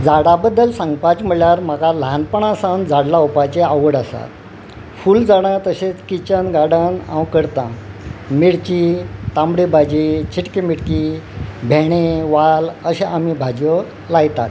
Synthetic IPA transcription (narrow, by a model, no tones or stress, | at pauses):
d͡zaɽabəd̪ːəlsãŋɡpat͡sm̤əɭjaɾm̤akalanpəɳãsãnd͡zaɽlaupat͡ɕeaʋəɽasa̰t̪ | fuld͡zaɽãt̪əɕet͡skit͡ɕənɡaɽənã̰wkəɾt̪ã̰miɽt͡ɕit̪ãmbɽibʱad͡ʑit͡ɕʰiʈkimiɽkibʱeɽ̃ẽʋaləɕeʔam̤ibʱad͡ʑjo | lajt̪a̰t̪